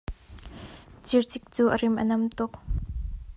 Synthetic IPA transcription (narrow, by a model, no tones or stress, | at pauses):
t͡sirt͡sɪk̚t͡suːʔərimʔə̰nɐmt̪ʊk̚